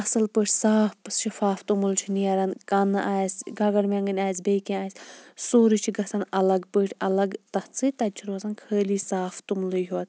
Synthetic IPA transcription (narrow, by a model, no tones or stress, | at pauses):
ɐsɐlpəːʈʰʲsaːfʃɐfaːft̪umult͡ʃʰiniɐɾɐnkɐnɨʔaːjsʲɡɐɡɐɾmeŋɡɐnʲaːjsbejkẽaːjsʲsoːɾit͡ʃʰiɡɐsɐnɐlɐɡpəːʈʰʲɐlɐɡt̪ɐt͡sʰɨt̪ɐt͡ʃʰiɾɐsɐnkʰəːliːsaːft̪umlɨɦuɐt̪̚ʰ